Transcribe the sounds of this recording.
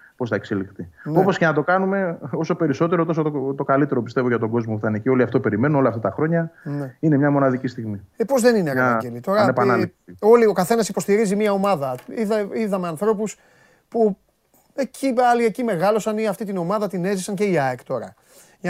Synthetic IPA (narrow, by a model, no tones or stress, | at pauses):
po̞sθɐekse̞likt̪ino̞po̞scenɐt̪o̞kɐnume̞o̞so̞pe̞ɾiso̞t̪e̞ɾo̞t̪o̞soot̪o̞kalit̪e̞ɾopi̥st̪e̞voʝɐt̪o̞ɡo̞zmopuθɐnecio̞liɐft̪ope̞ɾime̞nuo̞lɐft̪at̪ɐxɾo̞ɲɐneine̞mɲɐmo̞nɐðicist̪iɣmiepo̞zðe̞nineɣɟelit̪o̞ɾɐnepannɐli | o̞lio̞kɐθe̞nɐsipo̞st̪iɾizimiɐo̞mɐðɐiðɐiðɐmeɐnθɾo̞pus | pu | ecʰiɐliecime̞ɣɐlo̞sɐniɐft̪it̪ino̞mɐðɐt̪ine̞zisɐŋce̞iɐekt̪o̞ɾɐ̰ | ʝ